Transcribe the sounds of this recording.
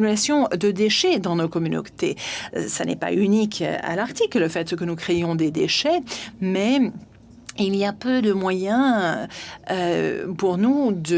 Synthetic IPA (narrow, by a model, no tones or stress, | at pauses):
ylasjɔ̃d̪əd̪eʃɛd̪ɑ̃nokɔmyno̰t̪esanɛ̰pa̰ynikʰa̰laʁt̪ikləfɛt̪kənukχejɔ̃d̪ed̪eʃɛmɛ | iliapød̪əmwajɛ̃ | puʁnud̪ə